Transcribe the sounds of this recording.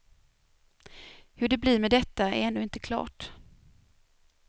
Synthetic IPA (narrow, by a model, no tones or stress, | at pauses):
hɵɖɛblɪːɾmɛd̪ɛt̪ːaɛɾɛnːʉːɪnt̪əkʰlɑ̰ːʈ